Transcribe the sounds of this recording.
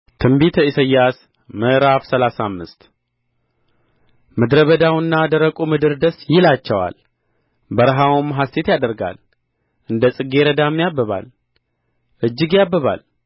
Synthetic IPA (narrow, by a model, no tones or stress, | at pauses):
t̪ʰɨmbit̪ʰəisəjːas | məʔɾafsəlasamːɨst̪ | mɨd̪ɾəβəd̪awɨnːad̪əɾəkʼumɨd̪ɨɾd̪əsjɪlat͡ʃːɛwa̰l | bəɾɦawmːɦaset̪jad̪əɾɡa̰l | ʔɨnd̪əsʼɨɡeɾəd̪amːjabːəβa̰l | ʔɨd͡ʒːɪɡjabːəβa̰l